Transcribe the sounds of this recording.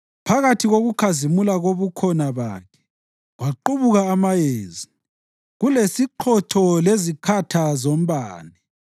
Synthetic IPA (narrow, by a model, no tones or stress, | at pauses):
pʰaɣatʰiɣoɣukʰazimulaɣoβukʰɔnaβa̰kʰɛ̥ | ɣwaǃuβuɣaːmajeːzi | ɣulesiǃʰɔtʰɔlezikʰatʰazom̩baːnɛ